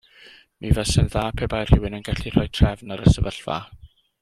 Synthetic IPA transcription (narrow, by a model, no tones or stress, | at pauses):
mivɛsɛnðaːpʰɛbajr̥ɪwɪnənɡaɬir̥ɔjtʰrɛvnaɾəsəvəɬva̰